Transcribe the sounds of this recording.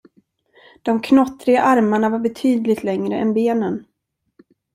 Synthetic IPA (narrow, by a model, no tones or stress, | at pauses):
d̪̥ɔmkʰnɔt̪ːɾɪɡaʔaɾmaɳavaɾbɛt̪ʰyːd̪lɪɡt̪lɛŋɾəʔɛnbeːnən